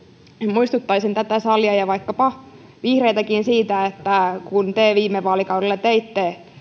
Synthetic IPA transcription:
muist̪ut̪ːɑisent̪æt̪æsɑljɑjɑʋɑikːɑpɑ | ʋihreit̪ækinsiːt̪æet̪ːækunt̪eʋiːmːeʋːɑːlikɑwɾelːet̪eit̪ːe

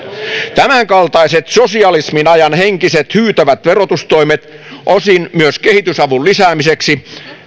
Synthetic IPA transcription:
t̪æmæŋkɑlt̪ɑiset̪sosiɑlisminɑjɑnheŋkiset̪hyːt̪æʋæt̪ʋerot̪ust̪oimet̪ | ʔosinmyøskehit̪ysɑʋullisæːmiseksi

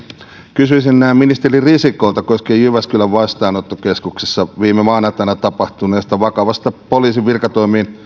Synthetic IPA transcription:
kysyisinnæːmminist̪eririsikˑoˑlt̪ɑkoskejjyʋæskylæʋʋɑst̪ɑːnot̪ːokeskuksesːɑʋiːmemɑːnɑt̪ˑɑnɑt̪ɑpɑht̪uneːst̪ɑʋɑkɑʋɑst̪ɑpoliːsiʋʋirkɑt̪oimiːn

